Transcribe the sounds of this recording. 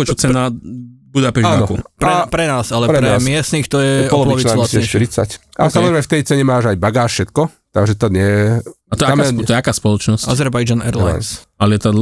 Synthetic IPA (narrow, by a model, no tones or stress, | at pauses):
ɔt͡ʃɔt͡sɛnabud̪apɛʃaːnɔkupɾɛpɾɛnaːsalɛpɾɛɾɛmɪɛst̪nixt̪ɔjɛɔlɔlɔʋalasɛʃt̪iɾit͡sa̰casamɔzɾɛmɛft̪ɛjt͡sɛɲɛmaːʒajbaɡaːʃʃɛt̪kɔ | t̪aɡʒɛt̪ad̪ɲɛjɛat̪ɔɛamɔjɛakaːspɔlɔt͡ʃnɔsa̰zɛɾbajd͡ʒanɛ̰ɾla̰nsalɪɛt̪ad̪l